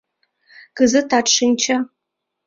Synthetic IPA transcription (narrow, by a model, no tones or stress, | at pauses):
ɡ̥ɨzɨtʰaʈ͡ʂʂɨnt͡ʃʰa